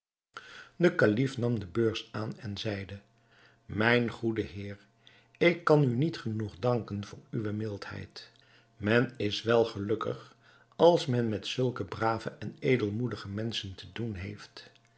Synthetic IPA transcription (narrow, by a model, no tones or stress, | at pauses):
dəkalifnɑmdəbøːɹsaːnɛnzɛjdə | mɛjnχudəɦɪːr | ɪkːɑnynitχənuχdɑŋkənv̥ʊːɹyʋəmɪlˠthɛ̰jt | mɛnɪsʋɛlˠχəlɵkə̰χ | ɑlˠsmɛnmɛtsɵlˠkəbraːvəʔɛneːjdəlˠmudəχəmɛnsəntədunɦejft